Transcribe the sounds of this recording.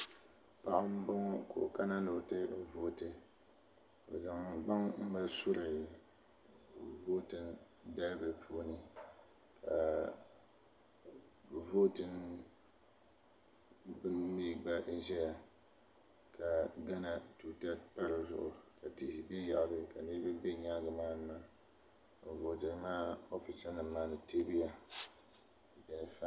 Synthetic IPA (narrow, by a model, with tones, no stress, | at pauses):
pa˨ʔʊ˦m̩˦bo˦ŋ˦kʰo̰˨ka˦na˦no˨tɨ˦vo˦tɨ˨ | o̰˨za˨ŋ˨ɡ͡ba˦ŋm̩˦ba˦sʊ˦ɾɨ˨ | vo˦tɨ˦n | da˦lbɨ˨pʰu˦nɨ˦ | kʰa˨ | vo˦tɨ˦n | bɨ˦nmiː˦ba˦ʔ̩˦ʒɛ˦ja˨ | kʰa˨ɡa˦na˨tu˨ta˦pa˦ɾɨ˦zʊ̰˦ʔʊ˨ka˨te˨si˨be˦ja˨ʔa˨bɨ˦ka˨nɨ˦bɨ˦bɛ˦ɲaː˦ɡɨ˨maː˦nɨ˨ma˦ | m̩˨vo˨tɨ˨n˦maː˦o˦fi˨sa˦nɨ˨mː˦aː˦nɨ˨te˦bi˦ja˨ | bɛ˨nɨ˨fa˦